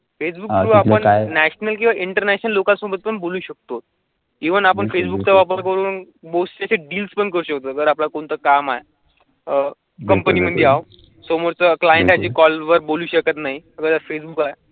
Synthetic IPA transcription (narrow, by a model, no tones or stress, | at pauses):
fesbukɾuːapəɳnæɕnəlk̬ĩwʋaʔiɳʈəɾnæɕnəlːokasobət̪̚pəɳboluːɕək̚t̪ot̪̚ | iʋənapəɳfesbuk̚t͡səʋapəɾkəɾuːn | bost͡ɕaɕeɖiːlspəɳkəɾuːɕəkt̪oɡəɾaplakoɳt̪əkamae | ə | kəmpəniːməd̪ʱeaʋ | somoɾt͡səklajeɳʈat͡ɕiːkɔlʋəɾboluːɕəkət̪naɦiəɡəɾt̪aɾfes̬bukae